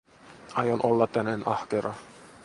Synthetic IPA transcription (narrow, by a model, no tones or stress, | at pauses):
ɑjonʔolːɑt̪ːænenɑhkeɾɑ